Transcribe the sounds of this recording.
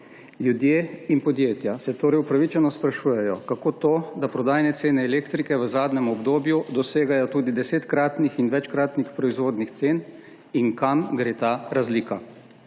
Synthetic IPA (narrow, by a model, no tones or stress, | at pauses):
ljud̪jeːinpɔd̪jeːt̪jasɛt̪oːɾɛjupɾaʋit͡ʃɛnɔspɾaʃuːjɛjɔkakoːt̪oːd̪apɾɔd̪aːjnɛt̪seːnɛːleːkt̪ɾikɛʋəzaːd̪nɛmɔbd̪oːbjud̪ɔseːɡajɔt̪uːd̪id̪ɛseːt̪kɾaːt̪nixinʋɛt͡ʃkɾaːt̪nixpɾɔizʋoːd̪nixt̪seːn | iŋkamɡɾeːt̪aːɾazliːka